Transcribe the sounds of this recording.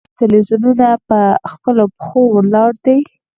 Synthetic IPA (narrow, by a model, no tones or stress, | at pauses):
t̪ɪlwizununapəxpəlopə̥xowəlɑɽd̪i